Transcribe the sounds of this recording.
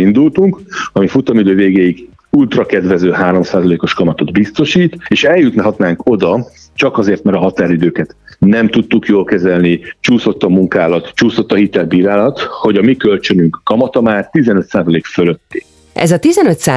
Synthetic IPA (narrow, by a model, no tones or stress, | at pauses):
ind̪ult̪uŋkɒmifut̪ɒmid̪øːveːɡeːjiɡ | ult̪rɒkɛd̪vɛzøːɦaːɾo̞msaːzɒleːko̞ʃkɒmɒt̪o̞d̪bist̪o̞ʃiːt̪eːʃɛljut̪niɦɒt̪naːŋko̞d̪ɒ | t͡ʃɒkɒzeːrt̪mɛɾɒɦɒt̪aːɾid̪øːkɛt̪nɛmt̪ut̪ːukjoːlkɛzɛlnit͡ʃuːso̞t̪ːɒmuŋkaːlɒt̪t͡ʃuːso̞t̪ːɒhit̪ɛlbiːɾaːlɒt̪ho̞ɟɒmikølt͡ʃø̞nyŋkːɒmɒt̪ɒmaːrt̪izɛnøt̪saːzɒleːkføløt̪ːi̥ | ʔɛ̰zɒt̪izɛnøt̪saː